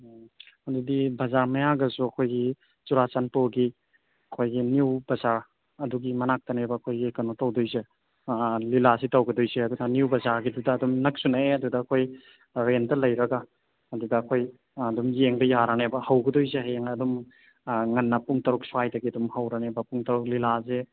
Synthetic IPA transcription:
ɐdudibɐzaɾmɐjaɡɐsuɐkʰojɡi | t͡ʃuɾat͡ʃanpoɡi | ɐkʰojɡiniwbɐzaɾ | ɐduɡimɐnak̚tɐnebɐːkʰojɡikɐnotɐwdojze | lilasitɐwɡɐdojzeɐdudɐniwbɐzaɾɡidudɐːdumnɐk̚sunɐeɐdudɐːkʰoj | ɾendɐlɐjɾɐɡaː | dudɐːkʰojː | dumjeŋbɐjaɾanebɐhɐwɡɐdojzeɦjeŋɐdum | ŋɐnːɐpuŋtɐɾuk̚swajdɐɡiɐdumhɐwɾanebɐpuŋtɐɾuk̚lilaze

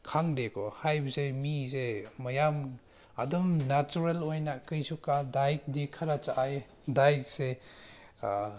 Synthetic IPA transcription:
kʰaŋdekɔhajbɐzemizemɐjam | adɔmnat͡ʃuɾelojnakɯjsukadajk̚dikʰaɾat͡ʃaʔaj | dajk̚se

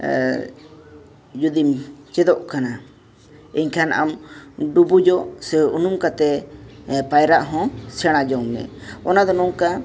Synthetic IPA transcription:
d͡ʒud̪imt͡ʃɛd̪ɔʔkana | iɲkʰana̰mɖubud͡ʒɔʔsɛunumkat̪ɛ | pajɾaʔɦɔ̃sɛɽ̃ad͡ʒɔŋmɛ̰̃ɔnad̪ɔnɔŋka

